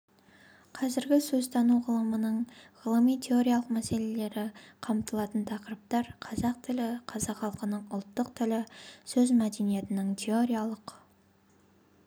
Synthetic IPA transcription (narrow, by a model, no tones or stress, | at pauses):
qʰɑzɪɾɡʲɪsɵzt̪ʰɑnuʁəlˠəmənəɴʁəlˠəmijt̪ʲʰe̞o̞ɾʲijalˠəqmæse̞le̞le̞ɾɪqʰɑmt̪əlˠɑt̪ənt̪ʰɑqəɾəp̚t̪ɑɾqʰɑzɑq̚t̪ʰɪlɪqʰɑzɑqχɑlˠqənəɴʊlˠt̪ːəqt̪ʰɪlɪsɵzmæd̪e̞nije̞t̪ɪnɪŋt̪ʲʰe̞o̞ɾʲijalˠəq